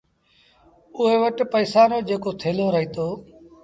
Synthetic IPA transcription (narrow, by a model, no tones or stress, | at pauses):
ʊɦeːʋəʈpəːsaːɾoːd͡ʒeːkoːt̪ʰeːloːɾəɦiːt̪oː